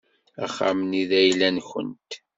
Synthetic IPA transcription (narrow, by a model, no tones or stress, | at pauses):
aχːa̰mniðæjlːænçə̰nt̪